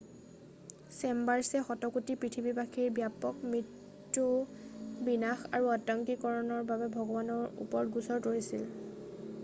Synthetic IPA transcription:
sɛmbaɹsɛxɔtɔkutipɹitʰibibaxiɹbjapɔkmɹitː | u | binaxa̰ɹuatɔŋkikɔɹɔnɔɹbabɛbʱɔɡɔbanɔɹṵpɔɹtɡusɔɹkoɹisil

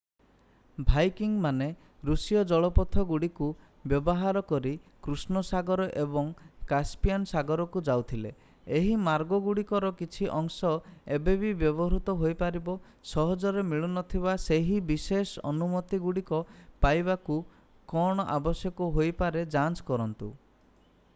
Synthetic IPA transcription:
bʱajkiŋmane | ɾusijɔd͡ʒɔɭɔpɔt̪ʰːɔɡuɽiku | bjɔbɔɦaɾɔkɔɾikɾusnɔsaɡɔɾɔʔebɔŋkaspijansaɡɔɾɔkud͡ʒawt̪ʰilḛ | eɦimaɾɡɔɡuɽikɔɾɔkit͡ʃʰiʔɔŋsɔebebibjɔbɔɾut̪ɔɦojpaɾibɔ | sɔɦɔd͡ʒɔɾemiɭunɔt̪ʰibaseɦibisesɔnumɔt̪iɡuɽikɔpajbaku | kɔɽ̃ɔʔabɔsjɔkɔɦojpaɾed͡ʒant͡ʃkɔɾɔnt̪ṵ

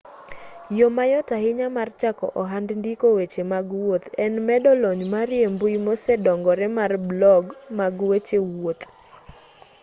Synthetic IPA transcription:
jomajɔtaɦɪɲamart͡ʃakɔ̰ʔɔɦandndikowet͡ʃemaɡwot̪ɛnmɛdɔlɔɲmaɾjembujmosɛdɔŋɡɔɾɛmarblɔɡmaɡwet͡ʃewot̪

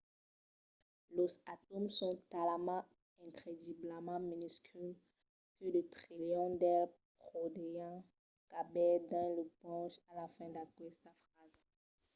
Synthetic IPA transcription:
lozat̪ɔmsɔ̃t̪alamɑ̃ | ɛ̃kχed̪ibləmɑ̃minysky | kød̪ət̪χiljɔ̃d̪ɛlpχod̪ejɑ̃ | kabɛd̪ɑ̃ləpɑ̃ʃalafɛ̃d̪aɡwɛst̪afχaz

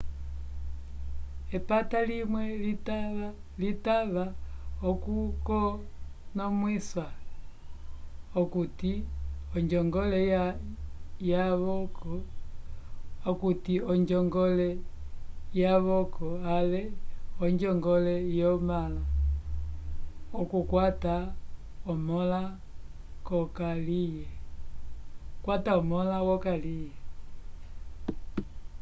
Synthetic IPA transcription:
epatalimwɛlit | litaβaokukɔ | nomwiswa | okutiɔɲd͡ʒɔŋɡɔle | jaβɔkɔ | okutiɔɲd͡ʒɔŋɡɔlɛ | jaβɔkɔalɛɔɲd͡ʒɔŋɡɔlɛjɔmala | ɔkukwata | ɔmɔla | kɔkalijɛ | kwataɔmɔlawɔkalijɛ

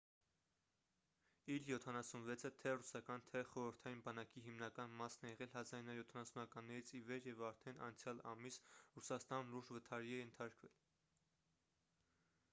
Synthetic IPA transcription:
iljɔt̪ʰɑnɑsunvɛt͡sʰət̪ʰɛrusɑkɑnt̪ʰɛχɔɾəɾt̪ʰɑjinbɑnɑkiɦimnɑkɑnmɑsnɛjɛʁɛlɦɑzɑɾinɑjɔt̪ʰɑnɑsunɑkɑnːɛɾit͡sʰivɛɾjɛvɑɾt̪ʰɛnɑ̰nt͡sʰjɑlɑ̰misrusɑst̪ɑnluɾʒvət̪ʰɑɾiɛɛnt̪ʰɑɾkvɛ̰l

